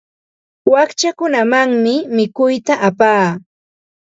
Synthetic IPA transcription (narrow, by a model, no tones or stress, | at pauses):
wakt͡ʃakʊnamaŋmɪmɪkʊjt̪aʔapaː